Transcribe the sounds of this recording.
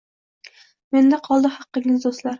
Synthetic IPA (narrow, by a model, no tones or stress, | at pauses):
mend̪æqʰɒlˠd̪ɨhɑqːəŋɪzd̪ost̪lˠaɾ